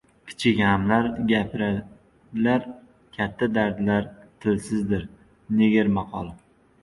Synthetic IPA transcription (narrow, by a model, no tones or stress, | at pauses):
kʲʰɪ̥t͡ʃʰɪkʲhamlaɾɡʲapʰɪɾa | d̪ɪlaɾ | kʲʰat̪ʰːad̪aɾd̪laɾt̪ʰɪlsɪzd̪ɪɾ | neɡʲɪɾmaqʰɒlˠɪ